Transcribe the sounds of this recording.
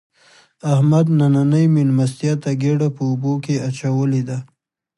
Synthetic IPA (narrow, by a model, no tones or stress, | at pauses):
ahmad̪nananəjminmast̪ijat̪aɡeɽapəubokeat͡ʃawəled̪a